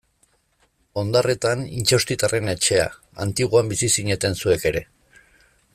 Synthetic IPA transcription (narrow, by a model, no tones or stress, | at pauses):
o̞nd̪are̞t̪anint͡ʃewst̪it̪are̞ne̞t͡ʃe̞a̰ | a̰nt̪iɣ̞oambisisiɲe̞t̪e̞nsue̞ke̞ɾe̞